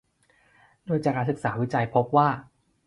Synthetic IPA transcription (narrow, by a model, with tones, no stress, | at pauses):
doː˧jt͡ɕa˨˩kaː˧˩sɯ˨˩k̚saː˩˦wi˦˥t͡ɕa˧jpʰo˦˥p̚waː˥˩